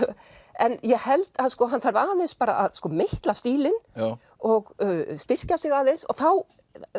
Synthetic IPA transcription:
ɛnjɛɣhɛlt̪aðskɔːɦanːθaɾvaːðenspaːɾa̰ʔaðskɔːmeht̪last̪iːlɪn | ɔɣst̪ɪr̥casɪɣaːðensɔ̰ɣθaw

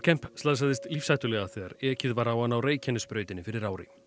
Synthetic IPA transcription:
cʰɛm̥pslaːðs̬aðɪst̪lifsajt̪ʏlɛɣaθɛɣa̰ɾɛːcɪðvaɾawanawreːjcʰɛnɪspɾœːɥt̪ɪnːɪfɪɾɪɾaːwɾɪ̰

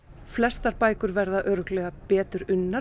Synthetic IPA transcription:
flɛst̪aɾpaːjkʏɾvɛɾðaʔœːɾʏklɛːɣapɛːt̪ʏɾʏnːaɾ

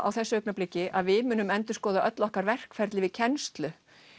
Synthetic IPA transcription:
a̰wθɛsːʏœknaplɪcːɪʔaðvɪðmʏːnʏmɛnt̪ʏ̥skɔːðaʔœt̪lɔhkaɾvɛr̥kfɛɾt̪lɪvɪðcʰɛnst̪lʏ

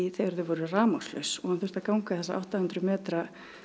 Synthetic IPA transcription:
θejaɾðʏvɔɾʏraːmawslœɥsɔɣhanθʏ̥t̪akawŋkaθɛsːaʔa̰wht̪ahʉnt̪ɾʏmɛːt̪ɾa

